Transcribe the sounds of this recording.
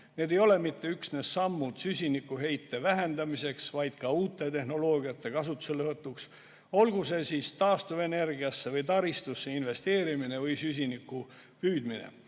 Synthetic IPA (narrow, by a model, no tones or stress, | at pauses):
ne̞ːd̪e̞jo̞le̞mit̪ːe̞yksnesːɑmːud̪̥sysʲinikːuɦe̞jt̪ːe̞væɦend̪ɑmise̞ksvɑjd̪̥kɑuːt̪ːˑe̞t̪e̞ɦno̞lo̞ːɡiɑt̪ːe̞kɑsut̪ːˑu̥se̞lːevɤt̪ːˑuks | o̞lɡ̥use̞siːst̪ɑːst̪uve̞ne̞rɡiɑsːe̞vɤjt̪ɑɾist̪usːeinve̞st̪e̞ːɾimine̞vɯjsys̬ʲinikːu | pyːd̪̥minḛ